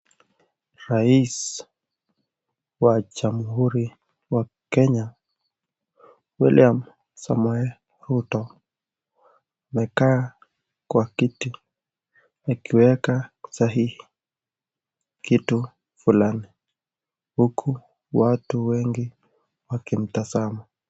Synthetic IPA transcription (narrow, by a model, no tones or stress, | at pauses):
ɾais | waʄamhuɾi | wakɛɲa | wḭliam | samuɛl | ɾutɔ | mɛkaː | kwakiti | akiwɛkasaɦihi̥ | kitu | fulani | hukʰu | watuwɛŋɡi | wakim̩tazamu